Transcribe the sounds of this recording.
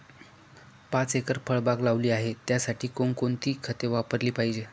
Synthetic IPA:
pãt͡sekəɾpʰəɭbaɡlaʋliːaɦet̪jasaʈʰiːkoɳkoɳt̪iːkʰət̪eʋapəɾliːpaɦid͡ʑe

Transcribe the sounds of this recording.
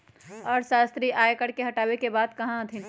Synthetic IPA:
ɔːɾʃaːst̪ɾiʔaːekəɽkeɦɐʈaːwekebaːd̪kɐɦãt̪ʰɪ̃n

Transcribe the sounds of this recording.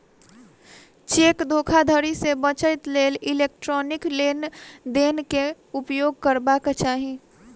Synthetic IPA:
t͡ʃekd̪ʱoːkʰad̪ʱəɾisebə̃t͡ʃəɪt̪leːlilek̚ʈɾɔːnɪklend̪enke | upjoɡ̚kəɾbaket͡ʃaːɦi

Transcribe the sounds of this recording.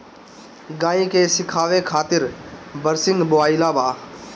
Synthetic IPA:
ɡãːĩkeːsɪkʰaːʋekʰaːt̪ɪɾbəɾsɪ̃ŋɡbʊaːɪlabaː

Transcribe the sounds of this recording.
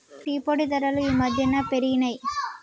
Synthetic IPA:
ʈiːpoɽit̪ɐɾɐlɯimɐd̪jɐnɐpɛɾɪnɐɪ

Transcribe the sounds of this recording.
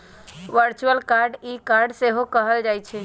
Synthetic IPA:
ʋəɾt͡ʃuəlkaɾɖikaɾɖseɦokəɦəld͡ʒajt͡ʃʰɛ

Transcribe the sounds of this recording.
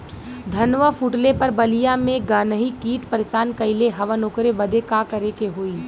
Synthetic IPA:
d̪ʱɐnʋəfʰuːʈlepɐɾbɐlijamẽɡaːnəɦikiːʈpəɾeʃaːnkɐɪleɦɐʋənoːkɾebɐd̪ʱekakɐɾekeɦoːiː

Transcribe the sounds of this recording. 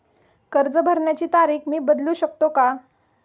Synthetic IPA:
kəɾd͡zəbʱəɾɳjat͡ɕiːt̪aɾiːkmiːbəd̪luːɕək̚t̪oka

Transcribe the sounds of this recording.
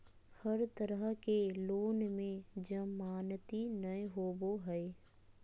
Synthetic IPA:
həɾt̪əɾəɦkeloːnmẽd͡ʒəmaːnt̪inəɦoːboɦɛe

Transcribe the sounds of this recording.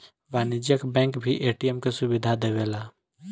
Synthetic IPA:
ʋaːnɪd͡ʒjəkbɛ̃ːŋkbʱiʔeːʈijemkesʊbɪd̪ʱad̪eʋeːlaː

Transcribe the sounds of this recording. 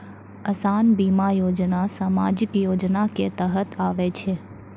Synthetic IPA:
əsanbimajod͡ʒnasaːma̰d͡ʒɪkjod͡ʒnaket̪əɦət̪ʰaʋet͡ʃʰe

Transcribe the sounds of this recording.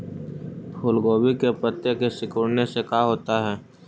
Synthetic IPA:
pʰʊːlɡoːbikepət̪jəkesɪkuːɽnesekaːɦoːt̪aɦɛː

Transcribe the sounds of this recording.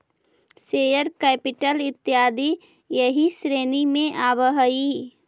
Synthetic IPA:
seːjəɾkeːpɪʈəlɪt̪ːjaːd̪i | jəɦisɾeːnimẽʔaːbəɦəi

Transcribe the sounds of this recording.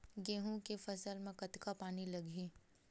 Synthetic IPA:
ɡẽːɦũkefɐsəlmẽkɐt̪kapaːnilɐɡʱiː

